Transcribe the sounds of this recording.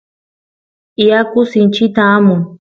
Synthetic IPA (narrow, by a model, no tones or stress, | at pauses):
iakʊsint͡ʃit̪aːmuŋ